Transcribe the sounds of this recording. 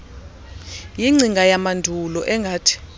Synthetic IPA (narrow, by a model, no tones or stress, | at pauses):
jiŋ͡ǀʱiŋɡʱajamandʱulɔʔɛŋɡʱaːtʰi̥